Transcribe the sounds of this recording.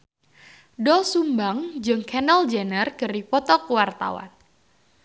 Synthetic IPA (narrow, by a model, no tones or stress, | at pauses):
dɔsumbaŋd͡ʒɨŋkʰɛnəld͡ʒɛnərkəripɔt̪ɔkuwart̪a̰wa̰n